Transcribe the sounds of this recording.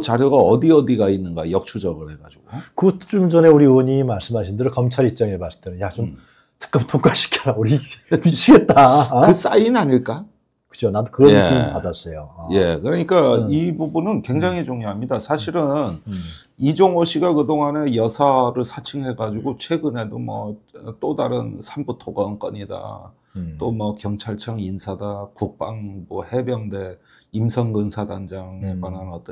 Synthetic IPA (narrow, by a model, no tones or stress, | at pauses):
t͡ɕaɾjoɡaʌdiʌdiɡainːɯnɡa̰jʌk̚t͡ɕʰud͡ʑʌɡɯɭhe̞ɡa̰d͡ʑiɡ̥okɯt͡ɕ͈umd͡ʑʌne̞uɾiwʌɲimaɭs͈ɯmɦaɕʰindeɾokʌmt͡ɕʰaɾip̚t͡ɕ͈aŋemas͈denɯnjat͡ɕom | tɯ̥k͈ɯmtʰok͈aɕʰi̥kʰaɾauɾimit͡ɕʰiɡet̚t͈akɯs͈ainaɲiɭk͈a | kɯ̥d͡ʑʰonadokɯɾʌeḭimippadas͈ejoje̞kɯɾʌɲik͈aibubunɯnkwe̞ŋd͡ʑaŋid͡ʑuŋjoɦamɲidasʰaɕʰiɾɯn | id͡ʑoŋoɕʰiɡakɯdoŋane̞jʌsʰaɾɯɭsʰat͡ɕʰɯŋɦe̞ɡad͡ʑuɡot͡ɕʰwe̞ɡɯne̞domwʌ̰ʌt͈odaɾɯnsʰambutʰoɡʌnk͈ʌɲida̰ | t͈omwʌkjʌŋt͡ɕʰaɭt͡ɕʰaŋinsʰadakuk̚p͈aŋmʌhe̞bjʌŋde̞ | imsʰʌŋɡɯnsʰadand͡ʑaŋeɡwananʌt͈ʌ